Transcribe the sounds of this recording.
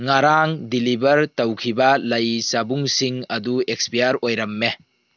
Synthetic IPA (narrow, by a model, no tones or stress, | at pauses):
ŋaɾaŋdilibɐɾtɐwkʰibɐlɐjsabuŋsiŋɐduek̚spijaɾojɾɐmːe